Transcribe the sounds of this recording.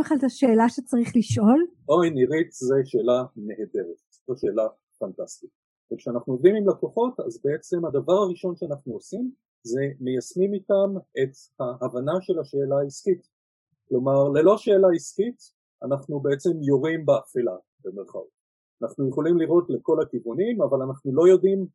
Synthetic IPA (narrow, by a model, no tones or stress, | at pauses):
eχlaltaʃeːlaʃet͡saʁiχliʃʔo̞lʔojniʁitzeʃe̞ːlame̞ɦede̞ʁet̚ | aʃe̞ːla | fantastit̚ | vekʃeanaχnuo̞vdimimlako̞χo̞ta̰zbeet͡se̞mhadavaʁaʁiʃo̞nʃeanaχnuosim | ze̞mejasmimitame̞t | haavanaʃe̞lhaʃe̞ːlaisχit | klo̞maʁle̞lo̞ʃe̞ːlaisχit | anaχnube̞et͡se̞mjo̞ʁimbeafila̰ | bemeʁχa̰o̰t | anaχnujeχo̞limliʁo̞tle̞ko̞lakivunimavalanaχnulo̞jo̞dim